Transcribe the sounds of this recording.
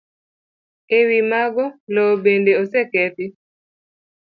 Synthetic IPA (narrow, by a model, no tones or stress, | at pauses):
ewimaɡɔlɔbendeosekɛtɪ